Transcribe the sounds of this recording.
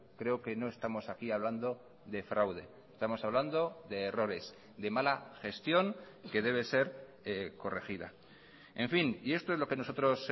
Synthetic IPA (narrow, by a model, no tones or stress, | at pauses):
kɾe̞oke̞no̞e̞st̪amo̞sakiaβ̞land̪o̞ | ðe̞fɾawðe̞̰st̪amo̞saβ̞land̪o̞ðe̞ːro̞ɾe̞s | ðe̞malaxe̞st̪jo̞ŋ | ke̞ðe̞β̞e̞se̞ɾ | ko̞rexiða̰ | e̞ɱfinie̞st̪o̞zlo̞ke̞no̞so̞t̪ɾo̞s